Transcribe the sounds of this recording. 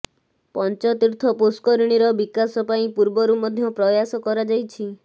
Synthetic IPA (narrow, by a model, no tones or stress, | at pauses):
pɔnt͡ʃɔt̪iɾt̪ʰɔpuskɔɾiɽ̃iɾɔbikasɔpaĩpuɾbɔɾumɔd̪ʱjɔpɾɔjasɔkɔɾad͡ʒajt͡ʃʰi